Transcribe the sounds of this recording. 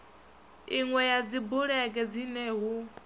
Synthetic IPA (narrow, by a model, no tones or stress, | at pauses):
iŋwɛjad͡zibuɺɛɡʼɛd͡zinɛːɦu